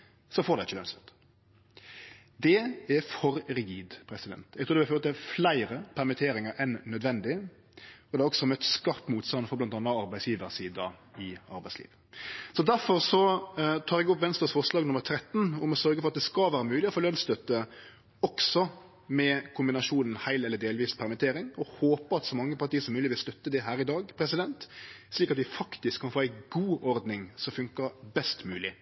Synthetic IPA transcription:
sɔfoːɾd̪æɪɪçːəlœnst̪œ̥t̪ːə̥ | d̪ɛæɾfɔɾɾɪɡiːd̪pʰɾɛsɪd̪ɛ̰nt̪ɛɡt̪ʰuːd̪ɛbɛføːt̪əɛflæɪɾəpʰæɾmɪt̪ʰeːɾɪŋəɾɛnːœd̪ʋɛnd̪ɪ | ɔd̪ɛɾɔksɔmœt̪ːskɑʁt̪muːt̪st̪ɑnfɔblɑnt̪ɑnːəɑɾbæɪsjiːʋəɾsiːd̪əɪɑ̰ɾbæɪslḭːʋ | sɔd̪æɾfɔɾsɔt̪ʰɑːɾɛɡʊpʋɛnst̪əsfɔʁʂlɑːɡnʊməɾt̪ʰɾɛt̪ːnʊmɔsœɾɡəfɔɾɑt̪̚d̪ɛskɑʋæːɾəmʉːlɪɔfoːlœnst̪œt̪ːə | ɔksɔ | mɛkʰʊmbɪnɑʃuːnn̩hæɪlɛlːəd̪eːlʋiːspʰæʁmɪt̪ʰeːɾɪŋɔhoːpəɾɑt̪sɔmɑŋːəpʰɑɾt̪iːəsɔmːʉːlɪʋɪlst̪œt̪ːəd̪ɛɦæːɾɪd̪ɑːɡpʰɾɛsɪd̪ɛnt̪sliːkɑt̪ʋɪfɑkt̪ɪskʰːɑnfoːæɪɡuːʔɔɾd̪nɪŋsɔfʉŋkəbɛst̪mʉːlɪ

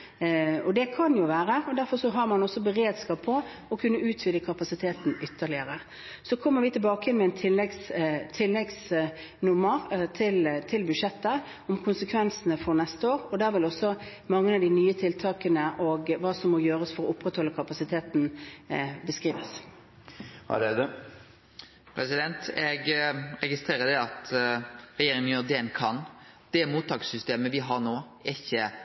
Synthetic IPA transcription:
ɔd̪ɛkʰɑnjʊʋæːɾəɔd̪æɾfɔɾsɔɦɑɾmɑnɔsːɔbəɾeːd̪skɑːpʰːɔ | ɔkʰʉnːəʉːt̪ʰʋɪd̪əkʰɑpɑsɪt̪ʰeːt̪n̩ʏt̪ʰːəʁɭɪəɾə | sɔkʰɔmːəɾʋɪːt̪ʰɪlbɑːkəjɛnmɛɛɪnt̪ʰɪlːɛɡst̪ʰɪlːɛɡs | nʊmːəɾt̪ʰɪlt̪ʰɪlbʉʂɛt̪ːə | ɔmkʰʊnsəkʰʋɛnsənəfɔɾnɛst̪əoːɾɔd̪æːɾʋɪlɔsːɔ | mɑŋːəɑd̪ɪnyːət̪ʰɪlt̪ʰɑːkənəʔɔɡʋɑːsɔmːɔjøːɾəsfɔɾɔʊpːɾɛt̪hɔlːəkʰɑpɑsɪt̪ʰeːt̪n | bəskʁiːʋəs | ɾɛd̪ə | pʰɾɛsɪd̪ɛnt̪ɛɡɾɛɡɪst̪ɾeːʁəd̪ɛɑt̪ | ɾɛjeːɾɪŋənjøːɾd̪ɛnkʰɑn | d̪̥ɛmuːt̪ʰːɑːksʏst̪eːməʋɪɦɑʁnoː | æɪçːə

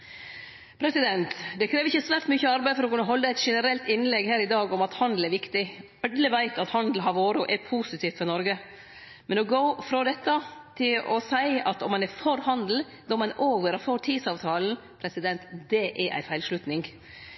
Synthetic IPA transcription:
pʰɾɛsɪd̪ɛnt̪d̪ɛkʰɾeːʋɪçːəsʋæːɾʈ̪myːçəɑɾbæɪfɔɾɔkʉnːəɦɔlːæɪt̪ʂɛnəɾɛlt̪ɪnːlɛɡhæːɾɪd̪ɑːɡɔmɑt̪hɑnd̪l̩ɛɾʋɪkt̪ɪ | ɛd̪ləʋæɪt̪ɑt̪hɑnd̪l̩ɦɑɾʋoːɾɔʔɛɾpʰuːsɪt̪ʰiːft̪fɔɾnɔɾɡə | mɛnɔɡoʊfɾɔd̪ɛt̪ːɑt̪ʰɪlɔsæɪɑt̪ɔmːɑnɛfɔɾhɑnd̪l̩ | d̪ɔmːɑnʔoːʋəɾɑfɔʈ̪ʰiːd̪sɑːʋt̪ʰɑːln̩ | pʰɾɛsɪd̪ɛnt̪d̪ɛʔɛɾʔæ̰ɪfæɪlʂlʉt̪nɪŋ

